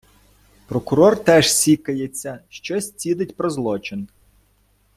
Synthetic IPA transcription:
pɾɔkʊɾɔrt̪ɛʒsʲikɐjet͡sʲːɐʃt͡ʃɔsʲt͡sʲid̪ɪtʲpɾɔzlˠɔt͡ʃɪn

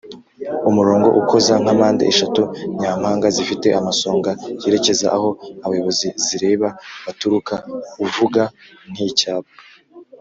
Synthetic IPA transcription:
umuɾo̞ːŋɡo̞̰ʔuko̞zaŋ̥hamaːndḛeʃatuɲaːm̥haːŋɡazifite̞ʔamaso̞ːŋɡajeɾe̞ce̞zaʔaho̞aβajo̞βo̞ziziɾe̞ːβaβatuɾukauvuɡa | n̥icaːβa

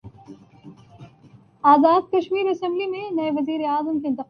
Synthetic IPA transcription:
aːzaːd̪̚kɐʃmiːɾɐsɛ̃mblimẽnɐeʋɐziːɾeaːzəmkeɪnt̪ɪq

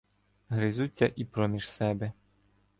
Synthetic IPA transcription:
ɦɾɪzut͡sʲːɐʔipɾɔmʲiʒsɛbɛ

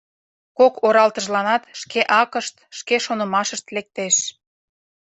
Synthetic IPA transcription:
kokoɾɑlt̪əʒlɑnɑt̪ʃkeʔɑkəʃt̪ʃkeʃonə̆mɑʃəʃt̪lek̚t̪eʃ

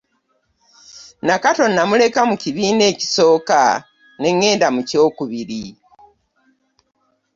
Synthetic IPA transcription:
nakato̞nːamule̞kamuciβiːne̞ːci̥so̞ːka̰ | ne̞ŋːe̞ːndamuco̞ːkuβiɾi

